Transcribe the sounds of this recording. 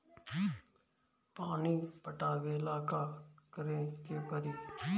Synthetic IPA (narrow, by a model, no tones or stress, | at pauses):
paːniːpəʈaːɡeɪlaːkaːkəɾeːkeːpəɾiː